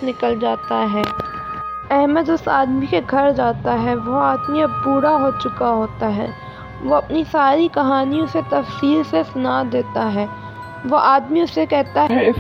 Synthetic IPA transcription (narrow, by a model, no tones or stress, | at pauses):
nɪkəld͡ʒaːt̪aɦɛː | ɛɦməd̪ʊsaːd̪mikeɡʱɐɾd͡ʒaːt̪aɦɛʋoaːd̪miɐbpuːɾaɦoːt͡ʃʊkaɦoːt̪aɦɛ̰ː | ʋoɐpnisaːɾikɐɦaːnijõset̪ɐfsiːɾsesʊnad̪eːt̪aɦɛː | ʋoʔaːd̪miʊsːekɛɦt̪aɦ